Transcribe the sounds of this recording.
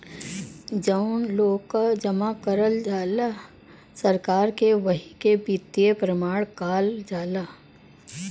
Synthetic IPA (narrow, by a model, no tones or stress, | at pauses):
d͡ʒəʊnloːɡkad͡ʒɐmakəɾəld͡ʒaːla | sɐɾkaːɾkeʋɐɦikebit̪ːijepɾəmaːɽ̃kaːld͡ʒaːlaː